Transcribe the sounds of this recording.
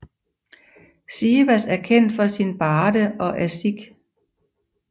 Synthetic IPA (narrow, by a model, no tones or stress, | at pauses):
siːʋæsæɐkʰen̰d̥fɒ̽sinb̥ɑːdəʔɒ̽ʔæɐsiɡ̥